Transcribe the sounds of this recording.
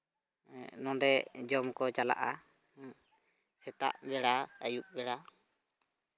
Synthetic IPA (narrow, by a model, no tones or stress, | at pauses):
nɔ̃dɛd͡ʒɔmkɔt͡ʃala̰ʔa | sɛt̪a̰ʔbɛɽaəjuk̚bɛɽa